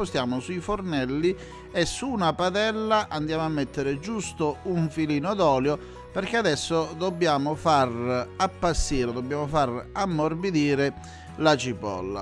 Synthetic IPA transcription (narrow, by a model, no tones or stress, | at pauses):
ost̪jaːmʊsuifornɛlːi | esːunapat̪ɛlːaʔand̪jaːmoamːet̪ːeɾɪd͡ʒust̪ouɱfiliːnod̪ɔːljo | peɾkead̪ɛsːod̪obːjaːmofarapːasːiːɾod̪obːjaːmofaramːorbid̪iːɾɪ | lat͡ʃipɔ̰lːa̰